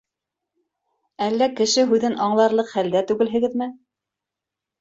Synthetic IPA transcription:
ælːækɘ̆ʃɘɦʉðɘnʔɑɴlˠɑɾlˠɤqχæld̪æt̪ʉɡɘ̆lɦɘ̆ɡɘðmɘ

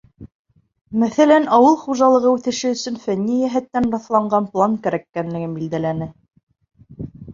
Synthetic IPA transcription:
mæθælænɑwɤlˠχuʒɑlˠɤ̆ʁɤʉθɘ̆ʃɘɵ̆sɵnfænʲːijæɦæt̪ːænɾɑθlˠɑɴɢɑnplˠɑnkæɾækːænlɘ̆ɡɘnbild̪ælænɘ

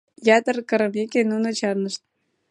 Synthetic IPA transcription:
jɑt̪ə̆rkɤ̆ɾɤ̆mekʲenunŏt͡ɕɑrnə̆ʃt̪̚

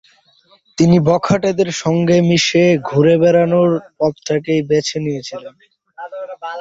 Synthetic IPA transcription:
t̪inibɔkʰaʈed̪eɾʃɔŋɡemiʃeɡʱuɾebɛɾanoɾpɔt̪ʈʰakejbet͡ɕʰenijet͡ɕʰilen

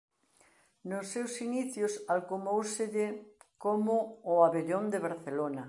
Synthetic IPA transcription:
nʊsːewsiniθjʊsalkumowsɪʎɪkomʊːaβeʎond̪eβaɾθelonɐ

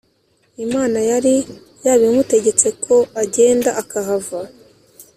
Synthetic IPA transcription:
imaːnajaɾi | jaːβimute̞ɟe̞t͡se̞kʰo̞aɟe̞ːndaʔakaɦava

